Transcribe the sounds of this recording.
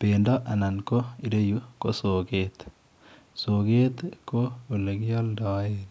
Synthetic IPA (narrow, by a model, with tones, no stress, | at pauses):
peːndɔʔa˨na˨nko˦i˨ɾe˦jukoso˨ket̪ | soke˦t̪ko˦u˨leɡjɔ˦ldɔ˨et̪